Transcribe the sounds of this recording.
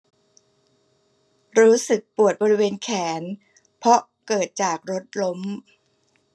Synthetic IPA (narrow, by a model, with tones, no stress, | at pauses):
ɾuː˦˥sɯ˨˩k̚pu˨˩ət̪̚bɔː˧ɾi˦˥weː˧nkʰɛː˩˦n | pʰɔ˦˥ʔ | kɤː˨˩t̪̚t͡ɕaː˨˩k̚ɾo˦˥t̪̚lo˦˥m